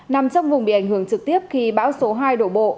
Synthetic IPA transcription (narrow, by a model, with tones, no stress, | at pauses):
na˨˩mt͡ɕɔ˧wŋ͡mvʊ˨˩ŋ͡mɓḭ˧˨ʔa˧˩jŋhɨ˧˩əŋt͡ɕɨ˨˩k̚t̪i˦˥əp̚xi˧ɓaː˨˦wso˨˦ɦaː˧jɗo˧˩ɓo̰˧˨